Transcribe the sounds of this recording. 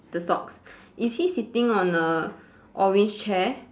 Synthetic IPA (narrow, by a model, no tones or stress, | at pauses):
d̥əsɔks | ʔishisitĩŋɔ̃nə | ʔɔwĩnt͡ʃt͡ʃɛ